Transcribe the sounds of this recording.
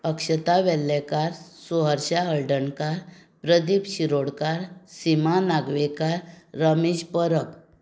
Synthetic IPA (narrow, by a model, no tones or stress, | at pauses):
əkɕət̪aʋɛlːɛkaɾsuɦəɾɕaəɭɖənkaɾpɾəd̪ipɕiɾoɽkaɾsimanaɡʋekaɾːəmid͡ʑpəɾəp